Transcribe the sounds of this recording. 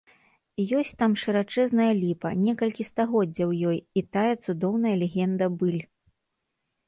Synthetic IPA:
jɔsʲt͡sʲt̪amʂɨɾat͡ʂɛznɐjɐlʲipɐnʲɛkɐlʲkʲist̪aɣɔd͡zʲːɐwjɔjit̪ajɐt̪sud̪ɔwnɐjɐlʲɛɣʲɛnd̪ɐbɨlʲ

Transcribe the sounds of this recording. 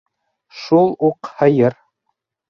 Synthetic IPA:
ʃulˠuqhɤ̆jɤɾ

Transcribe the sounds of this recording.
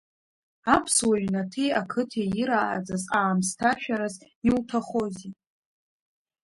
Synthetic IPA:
apʰswaɥnatʰejakʰɨtʰeiɾa̰ːd͡zazaːmstʰaʃᶣaɾaz | iwtʰaχo̞zi

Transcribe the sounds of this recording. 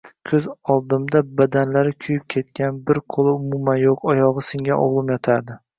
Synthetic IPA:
kʲʰɵzɒlˠd̪ɪmd̪abad̪anlaɾɪkʲʰʊjɪp̚kʲʰe̞t̪kʲanbɪɾqʰolˠɪʊmʊmanjoqʰɒjɒʁɨsɪŋʲaʔɒ̰ʁlˠɨmjɒt̪ʰaɾd̪ɪ

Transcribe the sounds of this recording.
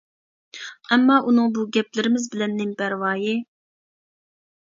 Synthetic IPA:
ɛmːɑʔunɨŋbuɡʲɛp̚lɪɾɪmɪzbɪlɛnːɪmpæɾwɑːji

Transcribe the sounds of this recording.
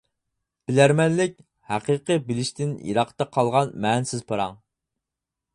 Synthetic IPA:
b̥ɪlæɾmɛnlɪk̚ʲ | hæqəqəbɪlɪʃt̪ɪnjḭɾɑqt̪ɑqʰɑlˠʁɑnmɛnsɪzpʰɑɾɑŋ

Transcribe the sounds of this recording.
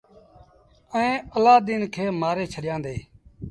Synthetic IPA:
əẽːəlaːd̪inkʰeːmaːɾeːt͡ʃʰəɗɪjãːnd̪eː

